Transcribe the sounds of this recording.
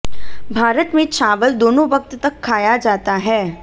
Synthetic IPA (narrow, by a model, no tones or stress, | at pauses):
bʱaːɾət̪mẽt͡ʃaːʋəld̪oːnõʋɐk̚t̪t̪ɐkʰːaːjad͡ʒaːt̪aɦɛː